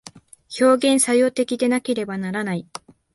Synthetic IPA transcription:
ço̞ːɡẽ̞ɰ̃sajo̞ːt̪e̞kʲid̪e̞nake̞ɾe̞banaɾanai

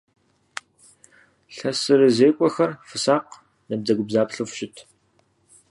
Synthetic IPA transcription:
ɬɐsɨɾɨzeːkʷʼɔxɐrfɨsaːq | nɐb̚d͡zɐɡʷʊbzaːpɬɨfɕɪtʰ

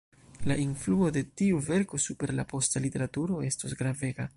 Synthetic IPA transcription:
laʔinfluo̞de̞tiuve̞ɾko̞supe̞ɾlapo̞stalite̞ɾatuɾo̞e̞sto̞sɡɾave̞ɡa

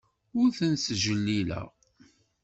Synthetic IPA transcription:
ʊɾθənsʒəlːilə̰ʁ

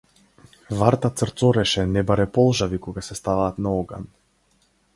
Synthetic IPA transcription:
vaɾt̪at̪səɾt̪sɔɾɛʃɛnɛbaɾɛpɔlˠʒavikɔɡasɛst̪avaːt̪naɔɡa̰n

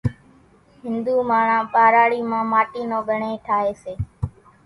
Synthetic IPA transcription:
ɦɪ̃nd̪uːmaːɳãːɓaːɾaːɽiːmãːmaːʈiːnoːɡʱəɳeːʈʰaːɦeːseː

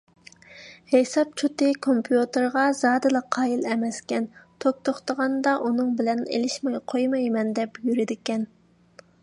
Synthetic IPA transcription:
hesɑp̚t͡ʃʰut̪ɨkʰompʰjut̪əɾʁɑzɑːd̪ɨlˠɑqʰːɑːjilɛmɛskʲɛnt̪ʰok̚t̪oχt̪əʁɑnd̪ɑʔunɨŋbɪlɛnḛlɪʃmɑjqʰojmɑjmɛnd̪ɛpjyɾɪd̪ɪkʲɛn

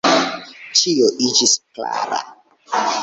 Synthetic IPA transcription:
t͡ʃijoʔit͡ʃiskla̰ɾa̰

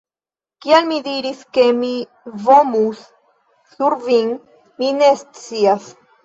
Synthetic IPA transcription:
kialmidiɾiske̞mi | vomusː | uɾviŋ | mine̞st͡sias

